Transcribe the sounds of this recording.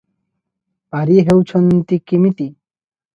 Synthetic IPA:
paɾiɦewt͡ɕʰɔnt̪ikimit̪i

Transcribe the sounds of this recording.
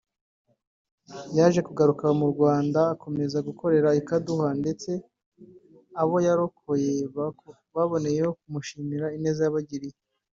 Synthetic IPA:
jaʒe̞kuɡaɾukamuɾɡwaːndaːkʰo̞me̞zaɡukʰo̞ɾe̞ɾaikaduhande̞t͡se̞ | aβo̞jaɾo̞kʰo̞je̞βako | βaβo̞ne̞jeho̞k̚umuʃiːmiɾaine̞ːzejaβaɟiɾije

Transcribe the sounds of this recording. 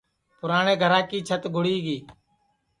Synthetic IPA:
pʊɾaːɳeːɡʱəɾãːkiːt͡ʃʰət̪ɡʱʊɽiːɡiː

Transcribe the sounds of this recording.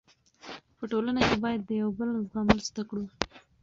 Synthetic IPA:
pəʈolanakebɑjad̪ːəjawbəlzɡɑməlzd̪akɽu

